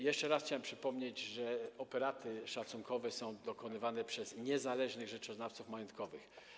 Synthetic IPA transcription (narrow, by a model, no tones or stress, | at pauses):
jɛʂt͡ʂɛɾasxt͡ɕawɛmpʂɘpɔmɲed͡ʑʐɛɔpɛɾat̪ɘʂat̪suŋkʰɔvɛsɔ̃w̃d̪ɔkɔnɘvanɛpʂɛzɲɛzalɛʐnɘɣʐɛt͡ʂɔznaft̪sufmajɔnt̪̚kɔvɘx